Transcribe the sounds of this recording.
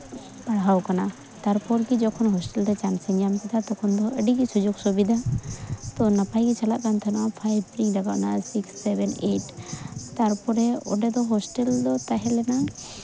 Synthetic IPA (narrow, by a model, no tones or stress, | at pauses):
paɽɦawkana | t̪aɾpɔɾkid͡ʒɔkʰɔnɦɔsʈɛlɾɛt͡ʃansɛŋjamkid̪at̪ɔkʰɔnd̪ɔəɖikisud͡ʒuɡsubid̪ʱa | t̪ɔnapajkit͡ʃalaʔkant̪ʰanaapʰajb̚ɾiŋɖaɡa̰ʔnasiksːɛbɛneʈt̪aɾpɔɾɛɔ̰ɖɛd̪ɔɦɔsʈɛld̪ɔt̪aɦɛlɛna